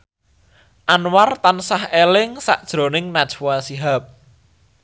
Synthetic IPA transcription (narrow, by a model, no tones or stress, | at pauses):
ʔanwart̪ansahelɪŋsa̰ʔd̥ʒ̥ɾo̤nɪŋnad̥t͡ʃwasiɦap̚